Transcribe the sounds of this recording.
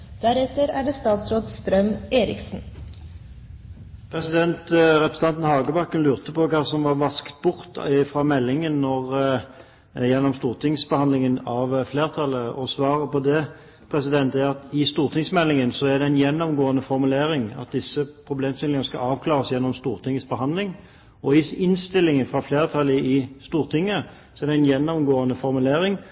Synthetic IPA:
d̪̥æɾɛt̪ːəɾæɖɛst̪ɑːt̪sɾoːd̪st̪ɾœmeːɾɪ̰ksn̩ | pʰɾɛsɪd̪ɛnt̪ʁɛpɾɛst̪ɑnən̩hɑːɡəbɑkːənlʉːʁt̪əpɔkɑːsɔmʋɑʁʋɑskt̪̚bʊʁt̪ʰɪfʁɑmɛlːɪŋənːɔʁ | jɛnːɔmst̪uːʁt̪ʰɪŋsbəhɑnlɪŋənɑʋfleːʁt̪ʰɑləɔsʋɑːʁəpɔd̪ɛ | pʰɾɛs̬ɪd̪ɛnt̪ɛɑt̪ɪst̪uːʁt̪ʰɪŋsmɛlːɪŋənsɔæd̪ɛɪnjɛnːɔmɡoːənəfɔɾmʉleːɾɪŋɑ̰t̪̚d̪ɪsːəpʰɾʊbleːmst̪ɪlɪŋənəskɑ̰ɑːʋkʰlɑːʁəsjɛnːɔmst̪uːʁt̪ʰɪŋːəsbəɦɑnd̪lɪŋ | ɔɪɪnst̪ɪlːɪŋənfʁɑfleːʁt̪ʰɑlːəɪst̪uːɾt̪ʰɪŋːə | sɔɛʁd̪ɛæɪnjɛnːɔmɡoːənəfɔɾmʉleːɾɪŋ

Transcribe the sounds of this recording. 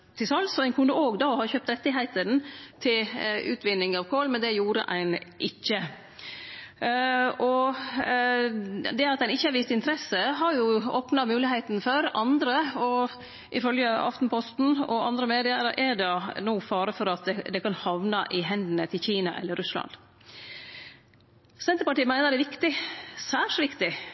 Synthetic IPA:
t̪ʰɪsɑlt̪sɔæɪnkʰʉnd̪əoːɡd̪oːhɑçøːp̚t̪ɾɛt̪ːɪɦæɪt̪ənt̪ʰɪlʉ̰ːt̪ʋɪnːɪŋɑʋkʰoːlmɛnd̪ɛjuːɾə̰ʔæ̰ɪnʔɪçːə | ɔ | d̪ɛɑt̪æɪnɪçːəhɑɾʋɪst̪ɪnt̪ʰɾɛsːəɦɑɾjʊoːpnɑmʉːlɪɦæɪt̪nføɾɑnd̪ɾəɔ | ʔɪfœljəɑ̰ft̪n̩pʰɔst̪n̩ɔ̰ɑ̰nd̪ɾəmeːd̪ɪəɾəʔɛɖɛnoːfɑːɾəfɔɾɑt̪̚d̪ɛd̪ɛkɑnhɑʋnɑʔɪɦɛnd̪nət̪ʰɪlçiːnɑ̰ʔɛ̰lːəɾʉslɑ̰n | sɛnt̪əɾpɑʈiːmæɪnəɾd̪ɛʋɪkt̪ɪsæːʂʋɪkt̪ɪ

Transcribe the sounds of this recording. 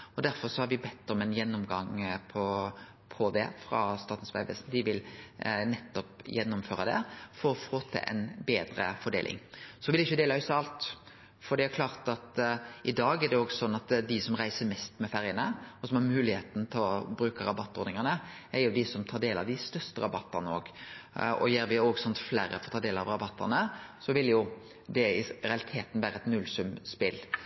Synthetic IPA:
ɔd̪æɾfɔɾsɔhɑɾʋɪbɛt̪ːɔmɛnjɛnːʊmɡɑŋpʰɔ | pʰɔd̪ɛ̰fɾɑ̰st̪ɑːɾt̪n̩sʋæ̰ɪʋɛ̰sn̩d̪ɪʋɪlnɛt̪ːɔpjɛnːʊmføːɾɑd̪ɛ̰fɔɾɔfoːt̪ʰɛ̰ʔɛ̰nbeːd̪ɾə̰fɔɖḛːlʔɪ̰ŋsɔʋɪlɪçːəd̪eːlɑhœsɑlt̪ | fɔɾɖ̪ɛækʰlɑːɾt̪ɑt̪ʔɪd̪ɑːɡæɾd̪ɛoɡsɔnːɑt̪d̪ɪsɔmɾæɪsəɾmɛst̪mɛfæɾjənəɔsɔmhɑmʉːlɪheːt̪n̩t̪ʰɪlɔbɾʉːkəɾɑbɑt̪ːoːɾnɪŋənə | æɾjʊd̪ɪsɔmt̪ʰɑːɖ̪eːlɑ̰ʋd̪ɪst̪œɾst̪əɾɑbɑt̪ːɑɾnəo̰ːɡ | ɔ̰jeːɾʋɪoːɡsɔnt̪flæːɾəfɔɾɔt̪ʰɑːd̪eːlɑʋɾɑbɑt̪ʰːɑ̰ʁnəsɔʋɪljʊ | d̪ɛɪɾɛɑlɪt̪ʰeːt̪n̩ʋæːɾəɛt̪nʉlsʉmspɪl

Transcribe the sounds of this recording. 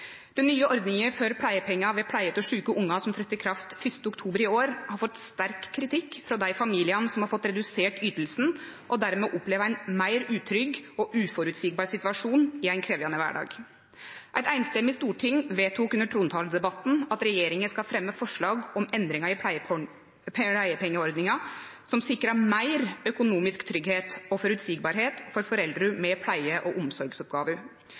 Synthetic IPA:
d̪̥ɛnːyːəʔɔɾd̪nɪŋəføɾpʰlæɪəpʰɛŋːɑʋɛpʰlæɪət̪ɔʂʉːkəʔʊŋːɑsɔmt̪ʰɾœt̪ːəkʰɾɑft̪fʏst̪əʊkt̪ʰuːbəɾɪoːɾhɑɾfɔt̪st̪æɾkʰːɾɪt̪ʰɪkːfɾɑd̪æɪfɑmiːlɪɑnsɔmhɑɾfɔt̪ːɾɛd̪ʉseːʈyːt̪l̩sn̩ | ʔɔd̪æɾmɛʔɔpleːʋəæɪnmæɪɾʉːt̪ʰɾʏɡɔʔʉːfɔɾʉt̪sik̚bɑːɾsɪt̪ʋɑʂuːnɪæɪnkʰɾeːʋɑnəʋæ̰ːɖɑ̰ːɡ | ʔæɪt̪æɪnst̪ɛmːɪst̪uːʈʰɪŋːʋeːt̪ʰːuːkʉnəʈʰɾuːnt̪ʰɑːləd̪ɛbɑt̪ːn̩ɑt̪ɾɛjeːɾɪŋənskɑlfɾɛmːəfɔʂɭɑːɡɔmɛnd̪ɾɪŋɑɪ | pæɪəpʰɛŋːəɔɾd̪nɪŋɑ | sɔmsɪkːɾɑmæɪɾœkʊnuːmɪskt̪ʰɾʏɡheːt̪ɔfɔɾʉt̪siːɡbɑɾɦeːt̪fɔɾfɔɾɛld̪ɾəmɛpʰlæɪəʔɔʔʊmsɔɾɡsɔpɡɑːʋə

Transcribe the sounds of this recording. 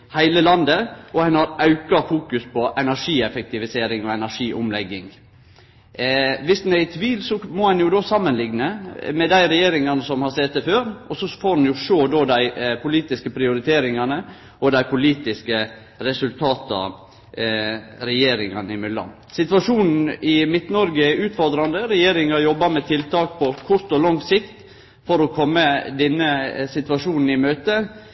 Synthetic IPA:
hæɪləlɑnd̪əʔɔhɛnɑɾɑʉkɑfuːkʉspɔʔɛnæʂiːɛfɛk̚t̪ɪʋɪseːɾɪŋɔɛnæɾʂiːʔʊmlɛɡːɪŋ | ʋɪsd̪n̩æɪt̪ʰʋiːlsɔmɔhɛnjʊd̪oːsɑmːənlɪɡnəmɛd̪æɪɾɛjeːɾɪŋɑnəsɔmhɑɾsɛt̪ːəføːɾʔɔsɔfoːɾdnjʊʃoːd̪oːd̪æɪpʊliːt̪ɪskəpʰɾɪʊɾɪt̪ʰeːɾɪŋɑnə | ʔɔd̪æɪpʊliːt̪ɪskə | ɾɛsʉlt̪ʰɑːt̪ɑ̰ | ɾɛjeːɾɪŋɑnɪmʏlːɑ̰n | sɪt̪ʋɑʂuːnn̩ɪmɪt̪nɔɾɡəʉːt̪fɔɾd̪ɾɑnd̪əɾɛjeːɾɪŋɑjɔbːɑɾmɛt̪ʰɪlt̪ɑːk̚pʰɔkʰʊɾt̪ɔlɔŋsɪkt̪ | fɔɾɔkʰɔmːəd̪ɛnːəsɪt̪ʋɑʂuːnn̩ɪmøːt̪ə

